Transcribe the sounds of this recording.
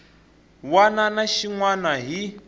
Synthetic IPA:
wananaʃiŋwanaɦi

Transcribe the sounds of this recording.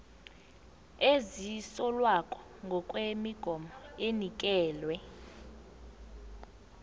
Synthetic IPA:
ezisɔlwakʼɔ̥ | ŋɡʱɔkʼwemiɡ̥ʱɔmɔenik̬ʼɛːlwɛ

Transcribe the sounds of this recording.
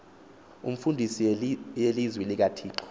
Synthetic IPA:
ṵm̩fundʱisijelizwɛlik̬atʰiːǃɔ̥

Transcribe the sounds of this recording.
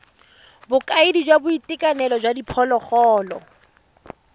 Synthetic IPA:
bʊkʼaɪdid͡ʒwabʊitɪkʼanɛlɔd͡ʒwadipʰɔlɔχɔːlɔ̰

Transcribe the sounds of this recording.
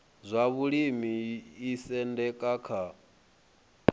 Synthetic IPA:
zʷaβuɺimiisɛndɛkʼakʰa

